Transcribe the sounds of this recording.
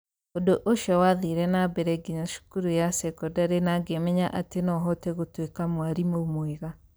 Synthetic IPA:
odoʔoʃɔwaðiɾɛnabɛɾɛɡiɲaʃu̥kuɾujasɛkɔdaɾenaɡemɛɲaʔatenɔɦɔtɛɣotwekamwaɾimomweɣa

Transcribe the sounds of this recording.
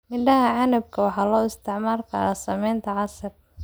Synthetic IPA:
mɪɖɐɦɐʕɑnɐb̚kʰɐwɑħɑːlɔːɪst̪ʰɪʕmaːrkʰɐ̰ɾaːsɐmɛjnt̪ʰɐʕɑsɐr

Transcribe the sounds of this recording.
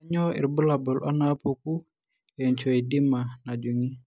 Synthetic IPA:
aɲɔḭrbəlabɔlanapuku | jaɲt͡ʃɔidimanad͡ʒuŋi

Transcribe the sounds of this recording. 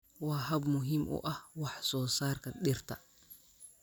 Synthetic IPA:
waːɦɐbmʊɦɪmʔʊ̰ʔɐhwɑħsɔːsaːrkɐɗɪrt̪ʰɐ

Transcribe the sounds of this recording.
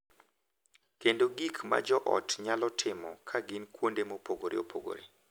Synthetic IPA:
kendoɡikma̰d͡ʒɔʔɔ̰tɲalɔtʰɪmɔkʰaɡɪnkwondemopoɡoɾḛo̰pʰoɡo̰ɾḛ

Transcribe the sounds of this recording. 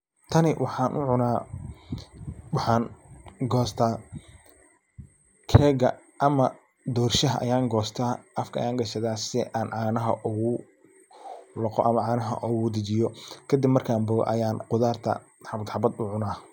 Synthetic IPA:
t̪ʰɐnɪwʔɑħɑːnʔʊʕʊnaː | wɑħɑːnɡɔːst̪ʰaː | kʰɛːɡɐ̰ | ʔɐmɐ | d̪ɔːrʃɐɦɐʔɐ̰jaːŋɡɔːst̪ʰaːʔɐfkʰɐɐ̰jaːŋɡɐʃɐðaːsɛʔaːnʕaːnɐɦɐʔʊɣʊ | lɔqɔʔɐmɐʕaːnɐɦɐ̰ʔʊɣʊd̪ɪt͡ʃɪjɔkʰɐd̪ɪbmɐrkʰaːmbɔɣɔ̰ʔɐjaːnqʊðaːrt̪ʰɐ̰ | ħɑbɐd̪ħɑbɐd̪ʊʕʊnaː

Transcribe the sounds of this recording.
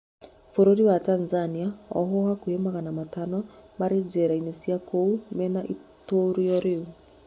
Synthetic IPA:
foɾoɾiwatanzaniaɔ̰ɦohakuemaɣanamatanɔmaɾed͡ʒɛɾainesiakʰoumɛnaʔitoɾijɔɾɪu

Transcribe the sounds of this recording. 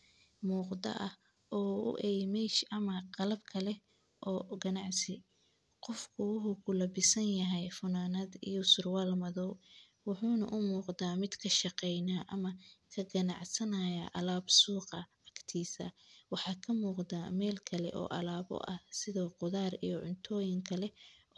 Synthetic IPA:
muːqd̪ɐ̰ʔɐh | ʔɔːʊ̰ʔɛjmɛʃɐmɐqɑlɐbkʰɐlɛ | ʔɔːɡɐnɑʕsɪ | qɔfkʰʊwʊħukʰʊlɐbɪsɐnjɐɦɛjfʊnaːnɐd̪ḭjɔsʊrwaːlmɐðɔ | wʊħuːnɐ̰ʔʊmuːqd̪aːmɪd̪kʰɐʃɑqɛjnaːʔɐmɐkʰɐɡɐnɑ̰ʕsɐnaːjaʔɐlaːbsuːqɐʕɑkt̪ʰiːsɐ̰wɑħɑːkʰɐmuːqd̪aːmɛːlkʰɐlɛ̰ʔɔ̰ːʔɐ̰laːbɔ̰ʔɐhsɪðɔːqʊðaːrḭjɔʕʊnt̪ʰɔːjɪŋkʰɐlɛ

